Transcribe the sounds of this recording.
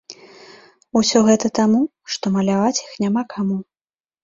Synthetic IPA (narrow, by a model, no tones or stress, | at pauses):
usʲɔɣɛt̪ɐt̪amu | ʂt̪ɔmɐlʲavat͡sʲixnʲamakʰamu